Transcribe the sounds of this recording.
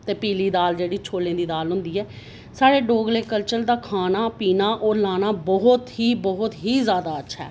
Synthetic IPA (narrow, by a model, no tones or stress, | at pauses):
t̪eːpiːliːd̪aːld͡ʒeːɽiːt͡ʃʰoːlẽːd̪iːd̪aːlɦʊ̃nd̪iːɛː | saːɽeːɖoːɡleːkəlt͡ʃəld̪aːkʰaːnaːpiːnaːʔɔːɾlaːnaːbɔːɦʊt̪ɦiːbɔɦʊt̪ɦiːzjaːd̪aːətːʃʰa̰ː